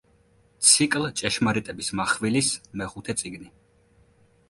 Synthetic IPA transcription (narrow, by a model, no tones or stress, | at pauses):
t̪sʰikʼlt͡ʃʼɛʃmaɾit̪ʼɛbismaχvilismɛχut̪ʰɛt̪sʼiɡni